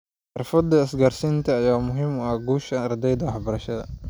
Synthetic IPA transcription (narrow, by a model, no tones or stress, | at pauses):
ħɑrfɐd̪ɐɐsɡaːrsint̪ʰɐːjaːmʊɦɪmɐhɡuːʃɐɐrd̪ɛjd̪ɐwħbɐɾɐʃɐðɐ̰